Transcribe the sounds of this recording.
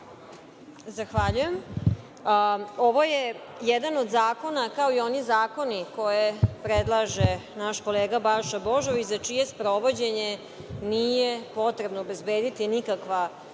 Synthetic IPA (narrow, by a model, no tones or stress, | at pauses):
zaxʋaʎujem | oʋo̞jejɛd̪anod̪zaːko̞nakao̞io̞nizaːko̞niko̞jepɾed̪lˠaʒenaʃko̞leːɡabaʃaboʒoʋit͡ɕzat͡ʂije̞spɾo̞ʋo̞d͡ʑeɲe | nijepo̞t̪ɾebnoːbezbeːd̪it̪inikakʋa